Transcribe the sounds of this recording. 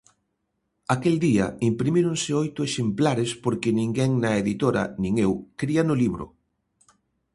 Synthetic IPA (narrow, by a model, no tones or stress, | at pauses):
akeld̪iɐ̰impɾimiɾonsɪojt̪ʊeʃemplaɾɪspoɾkɪnĩŋɡɛŋnɐeðit̪oɾɐ̰nĩŋewkɾiɐnʊliβɾʊ̰